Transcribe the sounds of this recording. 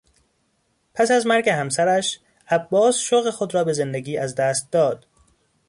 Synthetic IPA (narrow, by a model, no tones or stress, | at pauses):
pʰæsæzmæɾɟehæmsæɾæʃ | æbːɒːsʃoɣexod̪ɾɒːbe̞ze̞nd̪eɡiːʔæzd̪æːst̪̚d̪ɒːd̪̥